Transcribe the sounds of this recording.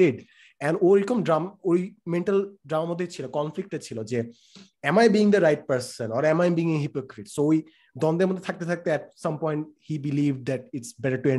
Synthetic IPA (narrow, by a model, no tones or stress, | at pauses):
ɪɖ | ɛ̃noɾkomɖɾamoimẽɳʈəlɖɾamamod̪ʱet͡ɕʰilokɔnflik̚ʈet͡ɕʰilod͡ʑe | ɛmajbiĩŋd̪əɾaɪʈ̚pəɾsə̃nɔːɾɛ̃majbiːŋeɦipokɾiʈsooi | d̪ɔ̃nd̪emod̪ʱːet̪ʰak̚t̪et̪ʰak̚t̪eɛʈ̚sʌ̃mpɔ̃jɳʈ̚hibiliʋɖ̚d̪æʈ̚ɪʈsbɛʈəʈuẽ